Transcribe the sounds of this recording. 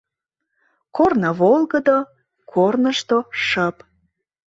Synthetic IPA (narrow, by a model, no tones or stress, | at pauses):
kornəβolˠɣəd̪o | kʰornəʃt̪oʃəp